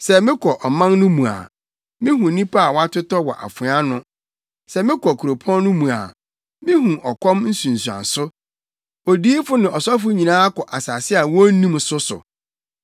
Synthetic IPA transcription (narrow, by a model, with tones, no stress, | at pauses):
sɛ˨mɪ̃˦kʰɔ˨ʔɔ˨mã˦nːʊ̃˦mũ˨a̰˨ | mɪ̃˦ɦũ˨nĩ˦pʰa˦a˨wɔ˦a˦tʰʊ˦tɔ˦wɔ̰˨ʔa̰˨fʊ̃˨˦a˦nʊ̃˦ | sɛ˨mɪ̃˦kʰɔ˨kʰu˨ɾo˨pʰɔ̃˦nnʊ̃˦mũ˨a̰˨ | mɪ̃˦hũ˨ʔɔ˨kʰɔ̃˦mn̩˦sũ˨n̩˨su˨ã̰˨n˨sʊ˦ | o˨diː˦fʊ˦nɪ̃˨ɔ˨sa˦f̬ʊ˦ɲĩ˨nãː˦kʰɔ˨ʔa˨sa˨sɪ˦a˨wɔ˦nĩ˦msʊ˦sʊ̰˨